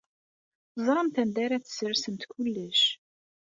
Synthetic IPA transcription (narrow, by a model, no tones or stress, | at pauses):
zˤɾˤɑmt̪ænd̪æɾæt͡sːsəɾsənt̪kʷʊlːəʃ